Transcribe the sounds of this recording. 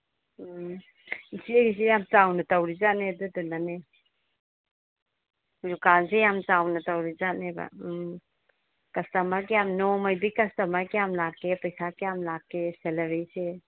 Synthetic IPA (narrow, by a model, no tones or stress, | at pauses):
isieɡisejamt͡ʃawnɐtawɾizanedudunane | lukansejamt͡ʃawnɐtawɾizaneba̰ | kɐstɐmaɾkejamnɔmajbikɐstɐmaɾkejamlakːepɐjsakejamlakːeseleɾejse